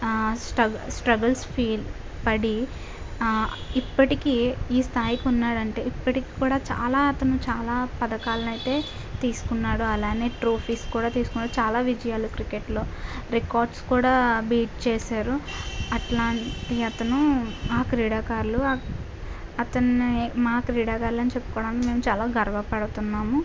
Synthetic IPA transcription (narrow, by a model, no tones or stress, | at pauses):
sʈɐsʈɾɐɡɐlspʰiːl | pɐɽi | ipːɐʈikiːiːst̪ʰaːjikiunːaːɽɐɳʈe̞ːipːɐʈiki̥ːkuːɽaːt͡ʃa̰ːlaːɐt̪ɐnut͡ʃaːlaːpɐd̪ɐkaːlɐnɐjt̪e̞ː | t̪iːsu̥kunːaːɽuɐlaːne̞ːʈɾoːpʰiːskuːɽaːt̪iːsu̥kunːaːɽut͡ʃaːlaːʋid͡ʒɐjaːlukɾikeʈlo̞ːɾikaːɾɖskuːɽaːbiːʈ̚t͡ʃeːsaːɾu | ɐʈlaːɳʈiɐt̪ɐnumaːkɾiːɽaːkaːɾlu | ɐt̪ɐnimaːkɾiːɽaːkaːɾlɐnit͡ʃe̞pːu̥kɔːɽaːnikime̞ːmut͡ʃaːlaːɡɐɾɐʋɐpɐɽut̪unːaːmu